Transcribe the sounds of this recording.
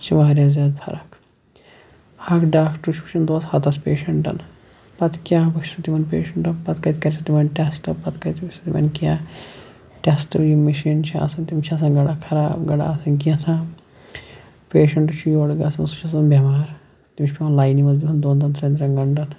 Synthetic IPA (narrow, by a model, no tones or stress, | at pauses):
t͡ʃʰiʋaːɾʲjaːzʲaːd̪pʰɐ̰ɾɐk | ɐkɖaːkʈuʃʰpu̥ʃʰɐnd̪oɐshɐt̪ɐspeːʃɐɳʈɐ̰n | pɐt̪kʲaːɡɐʃsut̪imɐnpeːʃɐɳʈɐpɐt̪kɐjt̪kɐɾʲsʰɐt̪imɐnʈesʈɐpːɐt̪kɐt̪ɐsut̪imɐ̰nkaː | ʈesʈɐjimiʃiːnt͡ʃʰia̰ːsɐnt̪imt͡ʃʰiɐs̬ɐnɡɐɽakʰɐɾaːbɡɐɽa̰ːsɐnkiɐsʰãː | peːʃɐɳʈut͡ʃʰijoːɽɡasɐnsut͡ʃʰɐsɐnbʲɐmaːɾ | t̪imt͡ʃʰʲpʲimɐnlaːjniʋɐzbiɦɐnd̪oːnd̪ɐnt̪ɾɐnd̪ɾɐŋɡɐɳʈɐn